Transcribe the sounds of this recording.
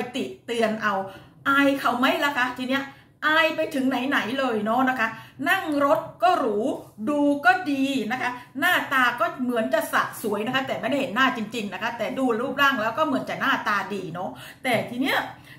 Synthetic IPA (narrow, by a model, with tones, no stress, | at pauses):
jt̪i˨˩ʔt̪ɯ˧ənʔa˧wʔaː˧jkʰa˨˩wma˦˥jlaː˦˥kʰa˦˥t̪ʰiː˧ni˦˥ɐʔ | ʔaː˧jpa˧jt̪ʰɯ˨˩˦ŋna˩˦jna˩˦jlɤː˧jnɔ˦˥na˦˥kʰa˦˥na˥˩ŋɾo˦˥t̪̚kɔː˥˩ɾuː˩˦duː˧kɔː˥˩diː˧na˦˥kʰa˦˥naː˥˩t̪aː˧kɔː˥˩mɯ˩˦ənt͡ɕa˨˩ʔsa̰˨˩ʔsu˩˦əjna˦˥kʰa˥t̪ɛː˨˩m˥˩jda˥˩ɦe˩˦nːaː˥˩t͡ɕi˧ŋt͡ɕi˧ŋna˦˥kʰa˦˥t̪ɛː˨˩duː˧lɾuː˥˩p̚laː˥˩ŋlɛː˦˥wkɔː˥˩mɯ˩˦ənt͡ɕa˨˩naː˥˩t̪aː˧diː˧nɔ˦˥ | t̪ɛː˨˩t̪ʰiː˧ni˦˥˩ɐ